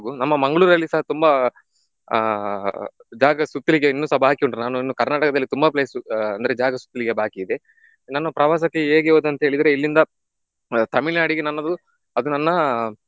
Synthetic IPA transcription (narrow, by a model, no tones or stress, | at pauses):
ɡunɐmːɐmɐŋɡɐɭuːɾɐlːisɐɦɐt̪umbɐ | d͡ʒaːɡɐsut̪ːiliɡeinːuːsɐbʱaːkiuɳɖɾnaːnuinːukɐɾnaːʈɐkɐd̪ɐlːit̪umbɐpleːsuɐnd̪ɐɾed͡ʒaːɡɐsu̥t̪ːiliɡebʱaːkiːd̪e | nɐnːɐpɾɐʋaːs̬ɐkːeeːɡeoːd̪uɐnt̪ɐɦeɭid̪ɾeilːind̪ɐ | t̪ɐmiɭnaːɽiɡenɐnːɐd̪u | ɐd̪unɐnːɐ